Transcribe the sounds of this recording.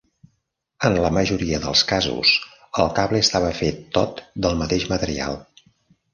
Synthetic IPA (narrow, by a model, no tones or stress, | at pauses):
ənləməʒuɾiəðə̰lˠskazṵs | əlˠkaβleəst̪aβəfet̪ːot̪d̪əlˠmət̪eʒmət̪əɾḭa̰lˠ